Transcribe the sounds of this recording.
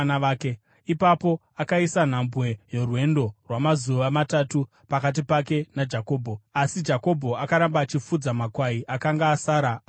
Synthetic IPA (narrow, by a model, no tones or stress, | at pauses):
naːke | ipapo̞ | akaisan̤ambwe̞jo̞rwe̞ndo̞rwamazuʋamatatu | pakat̬ipake̞nad͡ʒako̞ːbʱo̞asid͡ʒako̞bʱo̞akaɾambaːt͡ʃifud͡zamakwaiʔakaŋɡaːsaːɾa